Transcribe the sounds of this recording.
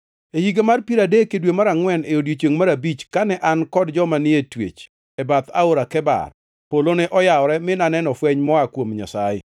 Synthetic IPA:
ehiɡemarpiɾadekedwemaɾaŋwɛneodjet͡ʃeŋmaɾabit͡ʃkanɛʔankɔdd͡ʒɔmanɪetwḛt͡ʃ | ɛbat̪a̰oɾakɛba̰r | polonɛʔɔjaɔɾɛmɪnanɛnɔfwɛɲmɔakwomɲa̰sajɪ̰

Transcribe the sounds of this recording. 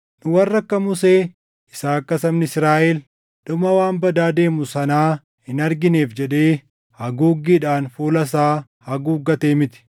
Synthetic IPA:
nʊwɐrːɐkːɐmʊse̞ː | ɪsaːɐkːɐsɐmnɪsɾaːʔɛl | ᶑʊmɐwaːnbɐd̪aːd̪e̞ːmʊsɐnaː | hɪnɐɾɡɪne̞ːfd͡ʒɛᶑe̞ː | hɐɡuːɡːiːᶑaːnfuːlɐs̬aː | hɐɡuːɡːɐt̪e̞ːmɪt̪ɪ̥

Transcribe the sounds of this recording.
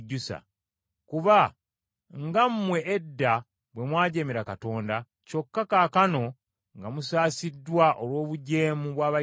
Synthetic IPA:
ɟːusa̰ | kuβa | ŋɡammwe̞ʔːdːa | βwe̞mwaːɟemiɾakato̞ːnda | co̞kːakaːkano̞ | ŋɡamusaːsidwaʔolwo̞ːβuɟe̞ːmuβwaːβa

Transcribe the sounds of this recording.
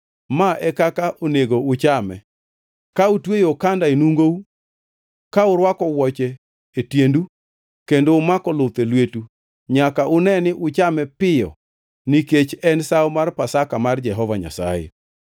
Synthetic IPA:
maʔɛkakaʔoneɡoʊt͡ʃamɛ̰ | kautwejokandaenuŋɡou | kaʊɾwakɔwɔt͡ʃɛː | tjendu | kendoʊmakɔlʊt̪elwetu | ɲakaʔʊnɛnɪʔʊt͡ʃamɛpɪjɔ̰ | niket͡ʃɛnsawmarpasakamard͡ʒɛɦɔvaɲa̰sa̰jḛ

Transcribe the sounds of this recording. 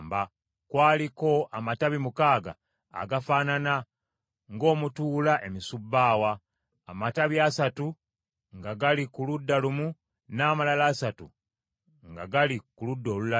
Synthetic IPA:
mba | kwaːliko̞ʔamataβimukaːɡa̰ː | ɡafaːnana | ŋɡo̞ːmutuːlaʔe̞misubːaːwa̰ː | mataβjasatu | ŋɡaɡalikuludːalumu | naːmalalaːsatu | ŋɡaɡalikuludːo̞ːlula

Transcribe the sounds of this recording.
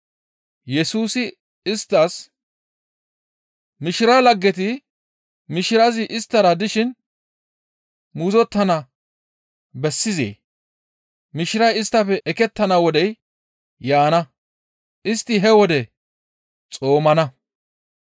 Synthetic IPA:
jɛsuːsɪ | ɪst̪ːɐs | mɪʃɪɾɐlɐɡːɛt̪̬ɪ | mɪʃɪɾɐzɪʔɪst̪ːɐɾɐd̪ɪʃɪn | muːzɔt̪ːɐnɐ | bɛsːɪzḛː | mɪʃɪɾɐjɪst̪ːɐfɛʔɛkɛt̪ːɐnɐwɔd̪ɛjː | aːnɐ | ʔɪst̪ːɪɦɛwɔd̪ɛ | t͡sʼo̞ːmɐnɐ

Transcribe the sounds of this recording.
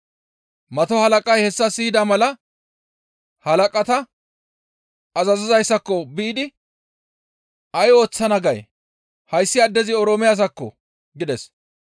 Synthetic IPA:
mɐt̪ɔhɐlɐkʼɐjhɛsːɐsɪːɪd̪amɐlɐ | hɐlɐkʼɐt̪ɐ | ɐzɐzɪzɐjsːɐkːɔbɪɪd̪ɪ | ɐjo̞ːt͡sːɐnɐɡɐj | hɐjsːɪɐd̪ːɛzɪɔɾoːmɪjas̬ɐkːɔ̰ | ɡɪd̪ɛs

